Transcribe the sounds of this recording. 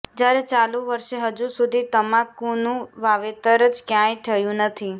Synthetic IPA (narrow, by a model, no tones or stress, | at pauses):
d͡ʒjaɾet͡ʃalũʋəɾʃeɦəd͡ʒusud̪ʱit̪əmãkũnũʋaʋet̪əɾəd͡ʒkjãjt̪ʰəjũnət̪ʰi